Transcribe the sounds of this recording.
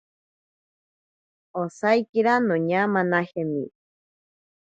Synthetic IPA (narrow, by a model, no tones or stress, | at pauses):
osajkiɾanoɲamanahemḭ